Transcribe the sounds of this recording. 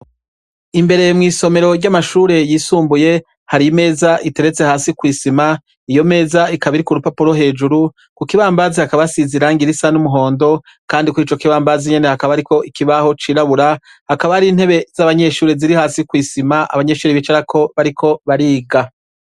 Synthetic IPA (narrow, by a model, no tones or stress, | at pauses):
imbe̞ɾe̞mŋiːso̞me̞ɾo̞ɾɟamaʃuːɾe̞jiːsuːmbuje̞ | haɾime̞ːzaʔite̞ɾe̞t͡se̞haːsikwiːsima | ijo̞me̞ːzaikaβiɾikuɾupapuɾo̞ɦe̞ːd͡ʒuɾu | kukiβaːmbaːzihakaβasiziɾaŋɡiɾisanumuɦo̞ːndo̞ | kaːndikuit͡ʃo̞kiβaːmbaziɲe̞ne̞hakaβaaɾiko̞ʔikiβaho̞t͡ʃiːɾaβuɾa | hakaβahaɾin̥he̞βe̞z̥aβaɲe̞ːʃuːɾeziɾihaːsikwiːsimaʔa̰βaɲe̞ːʃuːɾeβit͡ʃaɾakʰo̞βaɾikʰo̞βaɾiːɡa